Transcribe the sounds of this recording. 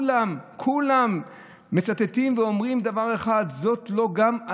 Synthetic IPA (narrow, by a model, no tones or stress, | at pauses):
lamkʰulamː | e̞t͡sat̪et̪imveo̞mʁimd̪avaʁe̞χad̪zo̞t̪lo̞ɡama